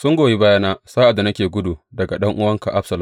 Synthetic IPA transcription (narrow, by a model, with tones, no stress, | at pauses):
sʊ˦ŋɡʷoː˨ji˦baː˦jaː˦naː˦saː˦ʔa˨dːa˨nɐ˦kʲeː˨ɡʷʊ˦du˨dɐ˨ɡa˨ɗɐ˦ŋʔʊ˦wɐ˦ŋka˨ʔa˦bsɐ˨la˨